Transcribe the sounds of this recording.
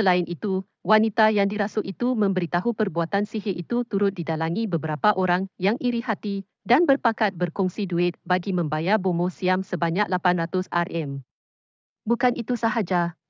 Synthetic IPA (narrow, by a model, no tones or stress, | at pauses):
səlaɪnʔit̪u | wanit̪ajaŋdiɾasʊʔit̪umə̃mbəɾit̪aɦupərbuat̪ansiɦeʔit̪ut̪uɾʊt̪̚didalaŋibəbəɾapaʔoɾaŋjaŋiɾihat̪i | danbərpakat̪̚bərkɔŋsiduɪt̪̚baɡimə̃mbajabomosiamsəbaɲak̚lapanrat̪ʊsa̰rɛm | bukanʔit̪usaɦad͡ʒa